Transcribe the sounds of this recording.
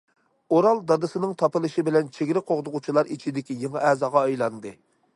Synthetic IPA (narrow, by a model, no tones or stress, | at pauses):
oɾɑlˠd̪ɑd̪ɨsɨnɨŋt̪ʰɑpɨlˠɨʃibɪlɛnt͡ʃʰeɡʲiɾɪqʰoʁd̪ʊʁʊt͡ʃʰilˠɑɾit͡ʃʰid̪ɪkʲijeŋɨʔɛːzɑːʁɑːjlˠɑnd̪ɨ